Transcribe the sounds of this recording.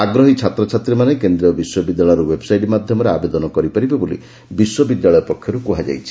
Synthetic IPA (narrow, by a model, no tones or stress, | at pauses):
aɡɾɔɦit͡ʃʰat̪ɾɔt͡ʃʰat̪ɾimanekend̪ɾiɔbiswɔbid̪jaɭɔjɾuwebsajʈimad̪ʱjɔmɔɾeabed̪ɔnɔkɔɾipaɾibebolḭ | biswɔbid̪jaɭɔjɔpɔkʰːjɔɾukuɦad͡ʒa̰jt͡ʃʰi̥